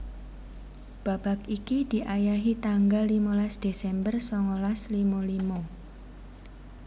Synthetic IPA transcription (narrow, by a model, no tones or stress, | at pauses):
b̥a̤b̥a̤kikid̪̥i̤ʔajaɦit̪aŋɡalːimɔlasd̪̥e̤sɛmbərsɔŋɔlaslimɔlimɔ